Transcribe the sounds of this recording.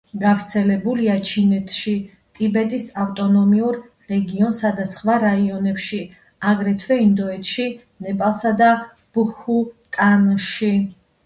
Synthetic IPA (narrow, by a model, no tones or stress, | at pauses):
ɡavɾt̪sʰɛlɛbuliat͡ʃʰinɛt̪ʰʃi | t̪ʼibɛt̪ʼisaft̪ʼɔnɔmiuɾ | ɾɛɡiɔnsad̪asχvaɾaiɔnɛpʃi | aɡɾɛt̪ʰvɛind̪ɔɛt̪ʰʃi | nɛpʼalˠsad̪a | b̥uhut̪ʼanʃi